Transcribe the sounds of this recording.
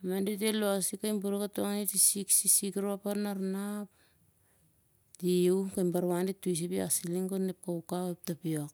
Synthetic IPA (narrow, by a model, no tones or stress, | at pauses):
mandet̬eloasikajmbuɾukatoŋaetisiksisikɾoapanaɾnap | diwkajmbaɾwandetːuis̬ipiasiliŋkonep̚kaukawep̚tapiok